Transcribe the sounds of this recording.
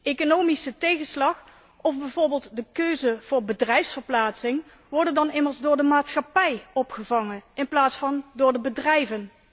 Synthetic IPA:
ekonowmisətejɣənslɑχ | ɔvbɛjvoːɹbeːlˠtdəkøɥzəv̥ʊːɹbədrɛjfsfəɹplaːtsɪŋ | ʋɔɹdəndɑnɪməɹzdʊːɹdəmaːtsχɑpɛjɔpχəvɑŋəɪnplaːtsfɑndʊːɹdəbədrɛjvən

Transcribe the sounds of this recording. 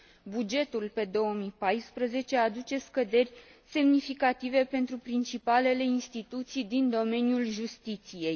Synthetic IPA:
bud͡ʒe̞t̪ulpe̞d̪o̞wəmipajspɾəze̞t͡ʃe̞ad̪ut͡ʃe̞skəd̪e̞rʲ | se̞mnifikat̪ive̞pe̞nt̪ɾupɾint͡ʃipale̞le̞inst̪it̪ut̪sijd̪ind̪o̞me̞njulʒust̪it̪sije̞j

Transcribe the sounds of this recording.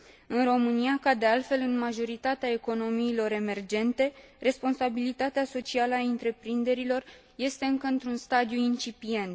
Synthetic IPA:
ɨnro̞mɨnijakad̪e̞alt̪fe̞lɨnmaʒo̞ɾit̪at̪eae̞ko̞no̞miːlo̞ɾe̞me̞rd͡ʒe̞nt̪e̞re̞spo̞nsabilit̪at̪easo̞t͡ʃialəaint̪ɾe̞pɾind̪e̞ɾilo̞r | je̞st̪e̞ɨŋkəɨnt̪ɾunst̪ad̪ijuint͡ʃipie̞nt̪

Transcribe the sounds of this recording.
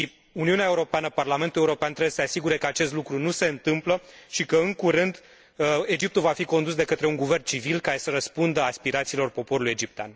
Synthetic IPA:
ʃi | uniuneae̞uɾo̞peanəparlame̞nt̪ule̞uɾo̞peant̪ɾeesəseasiɡuɾe̞kəat͡ʃe̞st̪lukɾunuse̞ɨnt̪ɨmpləʃikəɨŋkuɾɨnd̪ | e̞d͡ʒip̚t̪ulvafiko̞nd̪usd̪e̞kət̪ɾe̞uŋɡuve̞rnt͡ʃivilkaɾe̞səɾəspund̪əaspiɾat̪siːlo̞rpo̞po̞ɾuluje̞d͡ʒip̚t̪ea̰n

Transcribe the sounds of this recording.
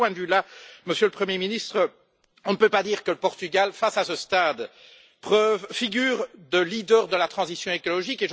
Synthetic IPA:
wɛ̃d̪ylaməsjøləpχəmjeminist̪χə | ɔ̃nəpøpad̪iːʁkələpɔʁt̪yɡalfasasəst̪ad̪ | pχœvfiɡyːʁd̪əlid̪œːʁd̪əlat̪χɑ̃zisjɔ̃ekɔlɔʒikeʒ

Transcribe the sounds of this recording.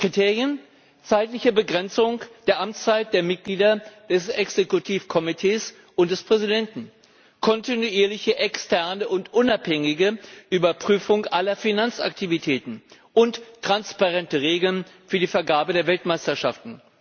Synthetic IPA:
kʁ̥itʰeːʁjən | t͡saɪtlɪçəbəɡʁɛnt͡sʊŋd̥eːɐʔamt͡st͡saɪt̚d̥eːɐmɪt̚ɡ̥liːdɐd̥ɛsɛksekutʰiːfkʰɔmitʰeːs | ʔʊnt̚d̥ɛspʁ̥ɛzidɛntn̩ | kʰɔntinuiːɐlɪçəʔɛkstʰɛɐnəʊntʔʊnaphɛŋɪɡəʔyːbɐpʁ̥yːfʊŋʔalɐfinant͡sa̰ktʰivitʰɛːtn̩ | ʔʊntːʁ̥anspaʁɛntəʁeːɡl̩nfyːɐdiːfɛɐɡaːɐbədeːɐvɛltmaɪstɐʃa̰ftn̩

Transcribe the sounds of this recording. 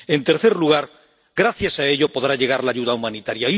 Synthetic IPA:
e̞nt̪e̞ɾθeɾluɣ̞aɾ | ɡɾaθjasae̞ʎopo̞ð̞ɾaʎe̞ɣaɾlaːʝuðaumãnit̪aɾjai

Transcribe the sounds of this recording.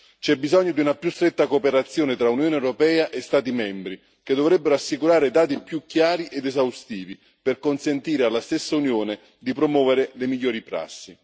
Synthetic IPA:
t͡ʃɛbːizɔɲːod̪iunapjust̪ɾɛt̪ːakoːpeɾat̪sːjoːnɪt̪ɾaunjoːneɛwɾopɛːaʔest̪aːt̪imɛmbɾi | ked̪ːovɾɛbːeɾoasːikuɾaːɾed̪aːt̪̬ipjukjaːɾiʔed̪ezawst̪iːvi | perkonsent̪iːɾealːast̪esːaunjoːne | d̪ipɾomwɔːveɾɪlemiʎːoːɾipɾa̰sːi

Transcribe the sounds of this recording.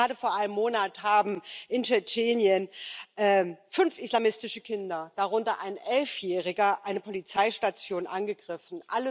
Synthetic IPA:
aːdəfoːɐʔaɪnəmːoːnathaːbm̩ʔɪnt͡ʃɛt͡ʃeːnjənʔɛːfʏnfʔislamɪstɪʃəkʰɪndɐd̥aʁ̞ʊntɐʔa̰ɪnʔɛlfjɛːʁ̞ɪɡɐʔaɪnəpʰɔlit͡saɪʃtat͡sjoːnʔanɡəɡʁɪfn̩ʔa̰lə

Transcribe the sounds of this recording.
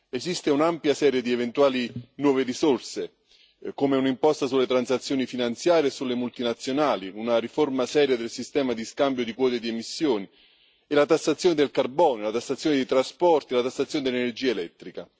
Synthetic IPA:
ezist̪eunampjasɛːɾjed̪ievent̪uaːlinwɔːveɾisorse | komeunimpɔst̪asulːet̪ɾansat̪sːjoːnifinant̪sjaːɾjesulːemult̪inat̪sːjonaːliunaɾiformasɛːɾjad̪elsist̪ɛːmad̪iskambjod̪ikwɔːt̪ed̪iemisːjoːni | elat̪asːat̪sjoːned̪elkarbɔːnjolat̪asːat̪sjoned̪ejt̪ɾaspɔrt̪ielat̪atsːat̪sːjoːned̪elenerd͡ʒiːaelɛt̪ːɾika

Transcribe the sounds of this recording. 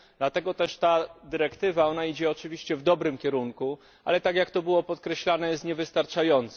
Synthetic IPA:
d̪lat̪ɛɡɔt̪ɛʂt̪ad̪ɘɾɛkt̪ɘvaɔnaid͡ʑɛɔt͡ʂɘvʲiɕt͡ɕɛvd̪ɔbɾɘmkʲɛɾuŋku | a̰lɛt̪akjakt̪ɔbɘwɔpɔt̪kɾɛɕlanɛjɛst̪ɲɛvɘst̪aɾt͡ʂajɔnt̪s

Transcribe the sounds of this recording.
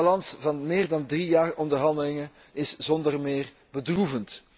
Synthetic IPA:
ɑlɑnsvɑnmɪːrdɑndrijaːrɔndərɦɑndəlɪŋən | ɪsz̥ɔndərmɪːr | bədruvənt

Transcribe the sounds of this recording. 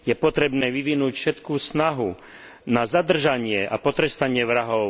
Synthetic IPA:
jɛpɔt̪ɾɛbnɛːʋiʋinuːcfʃɛt̪kuːsnaɦu | nazad̪r̩ʒaɲɪɛʔa̰pɔt̪ɾɛst̪aɲɪɛʋɾaɦɔʊ

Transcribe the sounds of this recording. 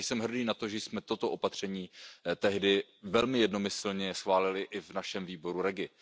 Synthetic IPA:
sɛmɦr̩diːnat̪oʒɛjsmɛt̪o̞t̪oʔopat̪r̝̥ɛɲiːt̪ɛɦdɪvɛlmɪjɛdno̞mɪsl̩ɲɛsxvaːlɪlɪʔɪvnaʃɛmviːbo̞ɾuɾɛɡɪ

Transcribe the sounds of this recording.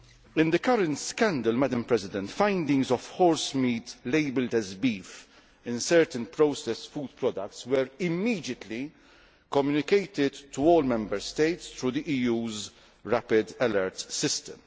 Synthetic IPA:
ɪ̃nd̪ɪkɐɾə̃nt̪skæ̃nd̪əlmæd̪ə̃mpɾɛzɪd̪ɛ̃nt̪fãɪ̃nd̪ɪ̃ŋɡzɔfhɔːɹsmiːt̪leɪbəld̪ɛzbiːf | ɪ̃nsɛɹt̪ə̃npɾoʊsɛsfuːd̪̚pɾɔd̪ɐk̚tswəɾɪmːiːd̪jət̪ʰli | kɔmjunɪkeɪt̪ɪd̪t̪ːuɔːlmɛ̃mbəɾst̪eɪt̪st̪ɾuːd̪iʔiːjuːz | ɹæpɪd̪ɛləɾt̪sɪst̪ə̃m

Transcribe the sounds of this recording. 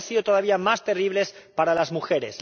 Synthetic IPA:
siðot̪o̞ðaβiamast̪eriβ̞le̞spaɾalazmuxe̞ɾḛs

